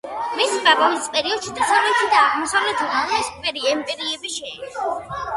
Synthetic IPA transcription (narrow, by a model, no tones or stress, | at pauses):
misvabɔmispʼɛɾiɔd̪ʃid̪asavlɛt̪ʰid̪aːʁmɔsavlɛt̪ʰɛaɛskpʼɛɾiɛmpʼɛɾiɛbiʃɛːɔ